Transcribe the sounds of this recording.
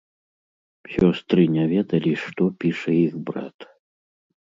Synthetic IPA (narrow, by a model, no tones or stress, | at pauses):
sʲɔst̪ɾɨnʲavʲɛd̪ɐlʲiʂt̪ɔpʲiʂɐiɣbɾa̰t̪